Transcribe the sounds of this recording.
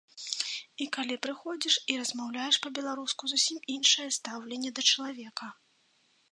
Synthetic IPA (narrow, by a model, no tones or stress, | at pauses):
ikalʲipɾɨxɔd͡zʲiʂiɾɐzmawlʲajɛʂpɐbʲɛlˠaɾuskuzusʲiminʂɐjɛst̪awlʲɛnʲːɛd̪ɐt͡ʂɐlˠavʲɛkɐ